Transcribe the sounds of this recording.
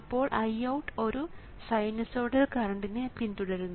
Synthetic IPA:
pːo̞ːɭʔɐjɐwʈːo̞ɾu | sɐjnɐsoːɽɐlkɐrɐɳɖinepint̪uɽɐɾunːu

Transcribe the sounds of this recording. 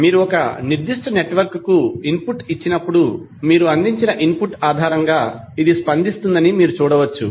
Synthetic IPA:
miːɾuɔkɐniɾd̪iʂʈɐneʈʋɐɾkkuinpuʈit͡ʃːinɐpːuɽu | miːɾuɐnd̪iɲt͡ʃinɐʔimpuʈːaːd̪ʱaːɾɐŋɡaː | id̪ispɐnd̪ist̪und̪ɐnimiːɾut͡ʃuːɽɐʋɐt͡ʃːṵ

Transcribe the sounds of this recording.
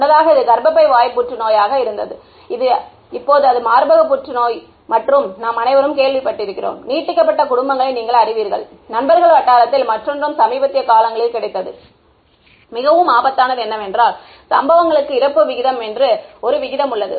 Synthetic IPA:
nːɐðaːɣɐɪðɯɡ̪ɐɾbɐpːɐɪʋaːjpːʊʈrɯnoːjaːɣɐɪɾɯnd̪ɐ̰ðɯ | ɪðɯ | ɪpːoːðɯɐðɯmaːɾbɐɣɐp̬ːʊʈrɯnoːj | mɐʈrɯmnaːmɐnɐɪʋɐɾɯmkeːɭʋɪpːɐʈːɪɾɯkːɪro̰ːmniːʈːɪkːɐp̬ːɐʈːɐkʊɽʊmbɐŋɡɐɭɐɪniːŋɡɐɭɐɾɪʋiːɾɣɐ̰ɭ | nɐnbɐɾɣɐɭʋɐʈːaːɾɐt̪ːɪlmɐʈrɔndrɯmsɐmiːbɐt̪ːɪjɐkːaːlɐŋɡɐɭɪlkɪɽɐɪt̪ːɐðɯ | mɪɣɐʋɯmaːbɐt̪ːaːnɐðɯɛnːɐmɛndraːl | sɐmbɐʋɐŋɡɐɭɯkːɯɪɾɐpːɯʋɪɣɪðɐmɛndrɯɔɾɯʋɪɣɪðɐmɯɭːɐðɯ̰

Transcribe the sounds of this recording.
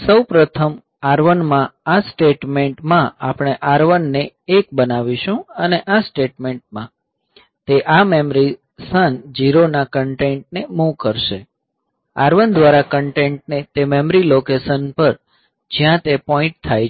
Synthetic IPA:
səwpɾət̪ʰəm | aɾʋənmãasʈeʈmeɳʈmãapɽ̃eʔaɾʋənːeːk̚bənaʋiʃũəneʔasʈeʈmeɳʈ̚mã | t̪eʔamemɾi | sənd͡ʒiɾonakəɳʈeɳʈnemũkəɾʃe | aɾʋənd̪ʋaɾakəɳʈẽɳʈ̚net̪ememɾilokesənpəɾ | d͡ʒjãt̪epɔĩɳʈ̚t̪ʰaj

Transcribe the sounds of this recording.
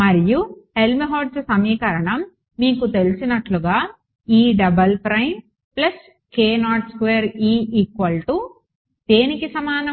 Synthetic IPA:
mɐɾijuhe̞lmiɦoːʈssɐmiːkɐɾɐɳɐmː | iːkut̪e̞lisinɐʈluɡaː | iːɖɐbɐlpɾɐjn | plɐs | keːnaːʈskʋeːɾiːikʋɐlʈu | d̪̥e̞ːnikisɐmaːnɐ

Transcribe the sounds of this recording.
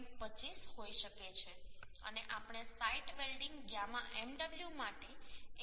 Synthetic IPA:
pət͡ʃisɦojʃəket͡ʃʰeə̰neʔapɳ̃esaiʈbelɖiŋɡɡjamãʔɛmɖəbljumaʈe

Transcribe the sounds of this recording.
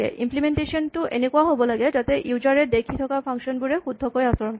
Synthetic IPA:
ɛ̰ʔḭmplimentesɔntʊʔenekuaɦobɔlaɡɛtatɛʔjuzaɹɛdekʰitʰɔkapʰaŋsɔnbuɹɛxud̪ʱːɔkojasɔɹɔnk

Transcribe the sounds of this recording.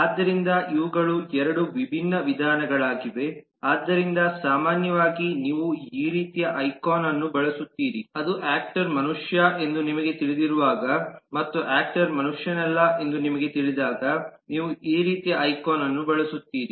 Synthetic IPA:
aːd̪ːɐɾind̪ɐʔiʋɐɡɐɭuɛɾɐɽuʋibʱinːɐʋid̪ʱaːnɐɡɐɭaːɡiʋe̞ | aːd̪ːɐɾind̪ɐsaːmaːnjɐʋaːɡiniːʋuiːɾiːt̪ijɐʔɐjkoːnɐnːubɐɭɐsut̪ːiːɾiɐd̪uʔaːk̚ʈɐɾmɐnuʂjɐʔe̞nd̪unimɐɡe̞t̪iɭid̪iɾuʋaːɡɐmɐt̪ːuʔaːk̚ʈɐɾmɐnuʂjɐnɛlːɐʔe̞nd̪unimɐɡe̞t̪iɭid̪aːɡɐniːʋuʔiːɾiːt̪ijɐɐjkoːnɐnːubɐɭɐsut̪ːiːɾi

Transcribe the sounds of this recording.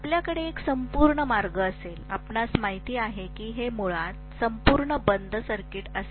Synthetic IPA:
apljakəɽeːksəmpuɾɳəmaɾɡəːsela̰pnasmaɦit̪iːaɦekiːɦemoɭat̪səmpuɾɳəbənd̪ʱəsəɾkiʈəs

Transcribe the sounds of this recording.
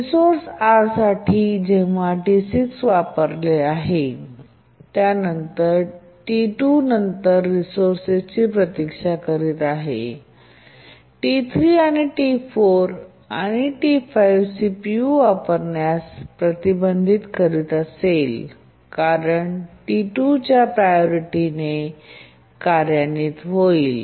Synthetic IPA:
ɾisoɾsaɾsaʈʰiːd͡ʑeʋ̤aʈisiksʋapəɾleaɦe | t̪janənt̪əɾ | ʈiʈunənt̪əɾːisoɾset͡ɕiːpɾət̪ikʂakəɾiːt̪aɦḛ | ʈit̪ʰɾiːaɽ̃iʈifoɾ | a̰ɽ̃iʈifajʋsipijuapəɾɳjaspɾət̪ibənd̪ʱit̪kəɾit̪asel | kaɾəɳʈiʈut͡ɕjapɾajoɾiʈine | kaɾjaniːt̪ɦoiːl

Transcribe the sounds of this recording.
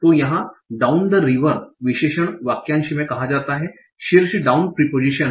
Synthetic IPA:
t̪ojɐɦãɖaːʊnd̪əɾiʋəɾʋɪʃeːʃəɽʋaːkjãːnʃimẽkɐɦad͡ʒaːt̪aɦɛ | ʃɪɾʃəɖaʊnpɾipoːd͡ʒiʃən

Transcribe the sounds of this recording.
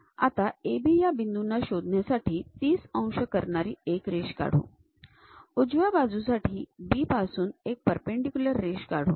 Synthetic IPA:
a̰t̪aebiːjabind̪unːaɕod̪ʱnjasaʈʰiːt̪iːsə̃w̃ʂəkəɾɳaɾiːekɾeɕka̰ɽ̤o̰ | ud͡ʑʋabad͡zusaʈʰiːbiːpasuːnek̚pəɾpeɳɖikʲuləɾːeɕkaɽ̤o̰

